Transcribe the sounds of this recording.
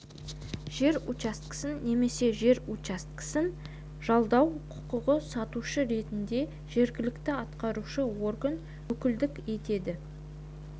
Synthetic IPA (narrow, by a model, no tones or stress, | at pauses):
ʒ̥e̞ɾut͡ʃast̪ksɪnːe̞me̞se̞ʒe̞ɾut͡ʃast̪kɪ̥sɪn | ʒ̥ɑlˠd̪ɑwqʰʊ̥qʊʁəsɑt̪uʃəɾe̞t̪ɪnd̪e̞ | ʒe̞ɾɡʲɪlɪkt̪ɪɑt̪qɑɾuʃəwo̞rɡən | wɵkʲɪld̪ɪke̞t̪e̞d̪ɪ